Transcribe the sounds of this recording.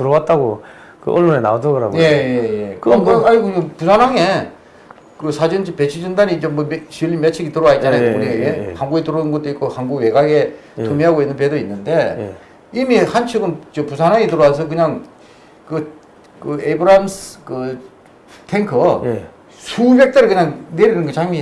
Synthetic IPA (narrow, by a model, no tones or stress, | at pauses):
tɯɾʌwat̚t͈aɡo | kɯ̰ʔʌɭːonena̰odaɡɯɾa̰mje̞jejekɯaɭɡoɲopusʰanaŋe̞ | kɯsʰad͡ʑɯnt͡ɕpe̞t͡ɕʰid͡ʑɯndaɲiːnd͡ʑemʌmeɕʰiɭːimet͡ɕʰiɡitɯɾʌwait̚t͡ɕ͈anajookneiehanɡuɡetɯɾoɯnɡʌt͈ɯik͈ohanɡuɡwe̞ɡaɡe̞tʰomiɦaɡoinːɯnp̬edoinːɯnde̞ | imihant͡ɕʰɯɡɯnt͡ɕopusʰanaŋetɯɾʌwas̬ʰʌkɯɲaŋ | kɯ | kɯebɯɾamskɯ | tʰeŋkʰɯ | sʰubek̚t͈eɾɯɭkɯɲaŋneɾinɯnɡɯt͡ɕaŋmi